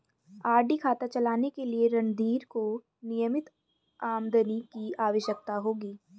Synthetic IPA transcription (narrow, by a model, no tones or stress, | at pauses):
aːɾɖikʰaːt̪at͡ʃɐlaːnekelieɾɐ̃ɳd̪iːɾko | nijəmɪt̪ | aːmd̪ənikiaːʋəʃjək̚t̪aɦoːɡiː